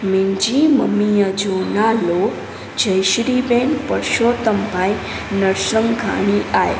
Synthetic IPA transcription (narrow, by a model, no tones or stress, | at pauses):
mind͡ʒiməmijəd͡ʒoːnalo | d͡ʒəjʃɾibenpəɾʃoːt̪əmbʱaj | nəɾʃəŋɡʱa̰ɳ̃iʔaj